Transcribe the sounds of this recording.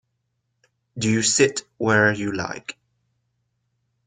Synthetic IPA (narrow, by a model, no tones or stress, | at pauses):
dɨjɨsɪtwə˞jɨla̰ɪk